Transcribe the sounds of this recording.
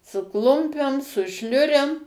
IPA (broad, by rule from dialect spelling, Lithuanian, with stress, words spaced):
sʊ ˈklˠʊmʲpʲɛm sʊ ˈʃʲlʲʊrʲɛm